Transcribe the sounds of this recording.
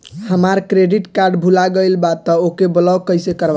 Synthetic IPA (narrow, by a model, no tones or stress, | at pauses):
həmaɾkɾeɖiʈkaɾɖbʱulaɡəɪlbat̪ːəokebəlɔkəjsekəɾba